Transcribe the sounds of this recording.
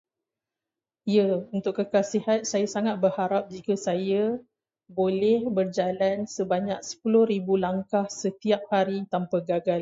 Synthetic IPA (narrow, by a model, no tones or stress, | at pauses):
ijəunt̪ʊkːəkasiɦat̪̚sajasaŋat̪̚bərhaɾap̚d͡ʒikəsajə | bolɛhbərd͡ʒalansəbaɲak̚sə̥pulʊhribulaŋkahsət̪iap̚haɾit̪ampaɡaɡal